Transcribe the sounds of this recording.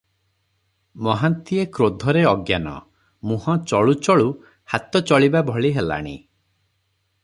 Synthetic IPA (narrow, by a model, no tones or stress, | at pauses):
mɔɦant̪iekɾod̪ʱɔɾeɔɡjanɔ̰ | muhɔ̃t͡ʃɔɭut͡ʃɔɭu | hat̪ɔt͡ʃɔɭibabʱɔɭiɦela̰ɽ̃ḭ